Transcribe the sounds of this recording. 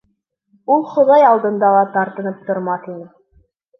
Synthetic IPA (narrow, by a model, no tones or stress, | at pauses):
ulˠχŏðɑjɑlˠd̪ɤ̆nd̪ɑlˠɑt̪ɑɾt̪ɤ̆nɤp̚t̪ŏɾmɑθinɘ